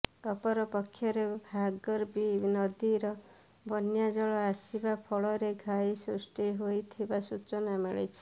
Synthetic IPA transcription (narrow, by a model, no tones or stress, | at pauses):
ɔpɔɾɔpɔkʰːjɔɾebʱaɡɔɾbinɔd̪iɾɔ | bʱɔnjad͡ʒɔɭɔasibapʰɔɭɔɾeɡʱajsɾusʈiɦojt̪ʰibasut͡ʃɔnameɭḛjt͡ʃʰi̥